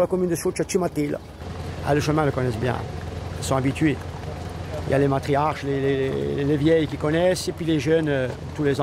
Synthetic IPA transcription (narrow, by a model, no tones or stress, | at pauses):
lakɔmynd̪əsut͡ʃat͡ʃimat̪il̰ | a̰ləʃəmɛ̃ləkɔnɛsbjɛ̰̃ilsɔ̃abit̪ɥe | ilja̰lemat̪χiaʁʃlelelḛlevjɛjkʲikɔnɛsepɥileʒœn | t̪ulezɑ̃